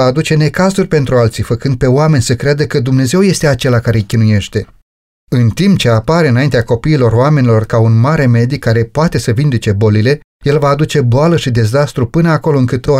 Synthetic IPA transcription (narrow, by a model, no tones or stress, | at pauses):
aːd̪ut͡ʃe̞ne̞kazurʲpe̞nt̪ɾualt̪sifəkɨnd̪̚pe̞oame̞nʲsəkɾead̪əkəd̪umne̞ze̞wje̞st̪e̞at͡ʃe̞lakaɾe̞kʲinuje̞ʃt̪e̞ | ɨnt̪impt͡ʃe̞apaɾeɨnaint̪eako̞piːlo̞roame̞nʲilo̞rkaunmaɾe̞me̞d̪ikːaɾe̞poat̪e̞səvind̪it͡ʃe̞bo̞lile̞ | je̞lvaːd̪ut͡ʃe̞boaləʃid̪e̞zast̪ɾupɨnəako̞lo̞ɨŋkɨt̪o